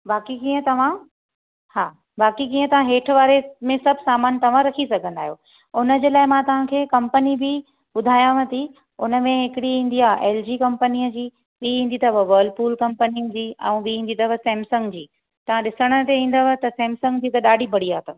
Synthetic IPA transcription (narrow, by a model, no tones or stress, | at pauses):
baːkikiːə̃t̪ɐʋ̤ã | haː | baːkikiːə̃t̪ɐʋ̤ãɦeːʈʰʋaːɾemẽsɐbʱsaːmaːnt̪ɐʋ̤ãɾɐkʰisɐɡʱə̃nd̪aːɦijoː | ʊnə̆d͡ʑeːlaːɪmãt̪ɐʋ̤ãkʰeːkɐ̃mpənibʱɪ | ɓʊd̪ʱaːjãʋɐt̪ʰi | ʊnə̆mẽɦɪkɪɽiɦĩːn̆d̪iaːʔeːld͡ʑiːkɐ̃mpəniəd͡ʑiː | ɓiɦĩːn̆d̪it̪ɐbɐʋəːɾlɖpuːlkɐ̃mpəniəd͡ʑiːɛ̰̃ũɓiɦĩːn̆d̪it̪ɐbɐsɛːmsɐ̃ŋɡd͡ʑiː | t̪ɐʋ̤ãɗɪsəɽ̃ə̆t̪eĩːnd̪əʋɐt̪ɐsɛːmsɐ̃ŋɡd͡ʑiːt̪ɐɗaːɖʱibʱɐɽ̤iaːt̪ɐ